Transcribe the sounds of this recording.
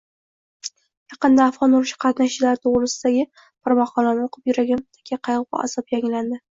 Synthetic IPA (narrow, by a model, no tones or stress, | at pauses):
jɑqɨnd̪aːfʁɒnʊɾɪʃɪ̥qʰɑt̪naʃlaɾɪt̪ʰoʁɾɪsɪd̪aɡʲɪ | pʰaɾmɑχɒlanɪoqʰɨpjʊɾaɡʲant̪ʰḁkʲʰaqʰɑjʁɨpa̰a̰sɒpjaŋland̪ɪ